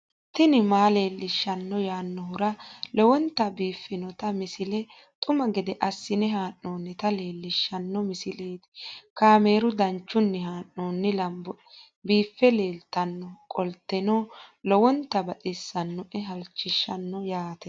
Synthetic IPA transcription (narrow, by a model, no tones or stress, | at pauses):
t̪ɪnɪmaːle̞ːlːɪʃːɐnːɔjaːnːɔhʊɾɐlɔwɔnt̪ːɐbiːfːɪnɔt̪ɐmɪsɪlɛ | t̪ʼʊmɐɡɛd̪ɛʔɐsːɪnɛɦaːnːoːnːɪt̪ɐle̞ːlːɪʃːɐnːɔmɪsɪleːt̪ɪ̥kaːmeːɾʊd̪ɐnt͡ʃːʊnːɛɦaːnːoːnːɪlɐmbɔ | biːfːɛle̞ːlt̪ɐnːɔkʼɔlt̪ːɛnɔːlɔwɔnt̪ːɐbɐtʼɪsːɐnːɔʔɛɦɐlt͡ʃːɪʃːɐnːɔjaːt̪ɛ